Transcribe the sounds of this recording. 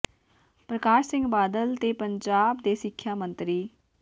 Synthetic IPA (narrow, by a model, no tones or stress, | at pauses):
pɾəkaːʃsɪ̃ŋɡbaːd̪əlt̪eːpəɲd͡ʒaːbd̪eːsɪkʰːjaːmənt̪ɾiː